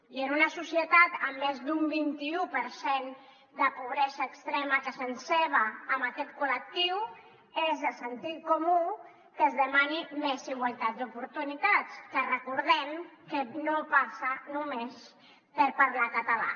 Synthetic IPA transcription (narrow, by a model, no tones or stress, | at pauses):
iənunəsusjət̪at̪əmːezd̪umbint̪iupəɾsen | d̪əpuβ̞ɾɛzəːkst̪ɾɛməkəsənseβəːməkɛt̪kulək̚t̪iw | ezəsənt̪it̪̚kumu | kəzðəmanimeziɣ̞walˠt̪at̪̚d̪upuɾt̪unit̪at͡skərəkuɾð̞ɛmkənopasənumes | pəɾpaɾlakət̪əla̰